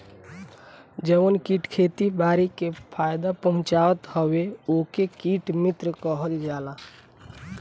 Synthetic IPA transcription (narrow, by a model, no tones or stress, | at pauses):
d͡ʒəənkiːʈkʰeːt̪ibaːɾikepʰaːjd̪apəɦʊ̃t͡ʃaːət̪həweokekiːʈmɪt̪ɾəkəɦəld͡ʒaːla